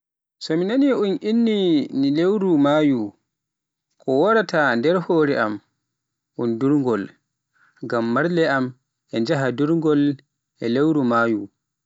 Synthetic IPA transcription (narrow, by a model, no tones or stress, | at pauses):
sɔminaniunʔinːinilewɾumaːju | kʰɔwɔɾatʰandɛɾhoːɾɛʔam | ʔunduɾŋɡɔl | ɡamːaɾlɛam | ʔɛɲd͡ʒaɦaduɾŋɡɔl | ʔɛlewɾumaːju